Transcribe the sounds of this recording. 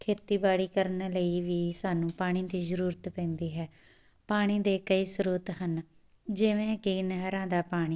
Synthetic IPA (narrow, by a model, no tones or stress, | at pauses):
kʰeːt̪iːbaːɽiːkəɾnləiːʋiːsaːnũːpaːɽ̃iːd̪iːzəɾuːɾət̪pɛ̃ːnd̪iːɦɛː | paːɽ̃iːd̪eːkəiːsɾuːt̪ɦən | d͡ʒɪʋẽːkiːnəɦɾãːd̪aːpaːɽ̃iː